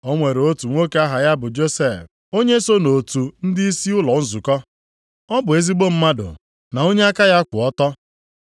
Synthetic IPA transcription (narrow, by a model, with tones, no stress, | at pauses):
o˦ŋʷe˨ɾo˦tu˨ŋʷo˦ke˦a˦ɦa˨ja˦bʊ˨d͡ʒo˦se˦˨f | o˦ɲe˦so˦no˨tu˨n̩˦dɪ˦i˦si˦ʊ˦lɔ˨n̩˦zʊ˨kɔ˦ | ɔ˦bʊ˨e˦zi˦ɡ͡bo˦m̩˦ma˦dʊ̰˨ | na˨o˦ɲe˦a˦ka˦ja˦kʷʊ̰˨ɔ˦tɔ˦